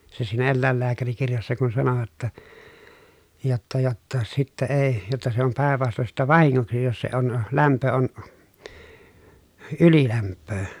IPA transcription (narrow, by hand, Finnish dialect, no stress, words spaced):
se siːnæ elːæˑelːæːkærikirjɑsːɑ kun sɑnoʋɑt tɑ jotːɑ jotːɑ sitːæ eː jotːɑ se om pæˑeʋ ʋɑston sitːæ ʋɑhiŋːoksi jos se on læmpø on ylilæmpːøː